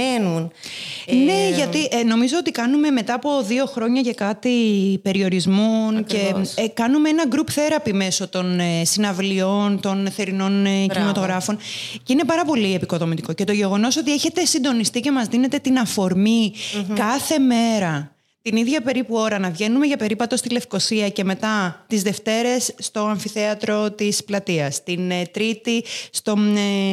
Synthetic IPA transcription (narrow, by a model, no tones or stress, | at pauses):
nun | ne̞ʝɐt̪iʔno̞mizo̞ot̪ikɐnume̞me̞t̪ɐːpo̞ðio̞xɾo̞ɲɐʝɐkɐt̪ipe̞ɾio̞ɾizmunce̞kɐnumeenɐɡɾupθe̞ɾɐpime̞so̞t̪o̞nsinɐvlio̞nt̪o̞nθe̞ɾino̞ncinimɐt̪o̞ɣɾɐfo̞nceine̞pɐɾɐpo̞lie̞piko̞ðo̞mit̪iko̞ce̞t̪o̞ʝe̞ɣo̞no̞so̞t̪̬ieçe̞t̪e̞sind̪o̞nist̪ice̞mɐzðine̞t̪e̞t̪inɐfo̞ɾmikɐθe̞me̞ɾɐ | t̪iniðʝɐpe̞ɾipuo̞ɾɐnɐvʝe̞nume̞ʝɐpe̞ɾipɐt̪o̞st̪ile̞fko̞siɐce̞me̞t̪ɐt̪izðe̞ft̪e̞ɾe̞sːt̪o̞ɐɱfiθe̞ɐt̪ɾo̞t̪isplɐt̪iɐst̪int̪ɾit̪ist̪o̞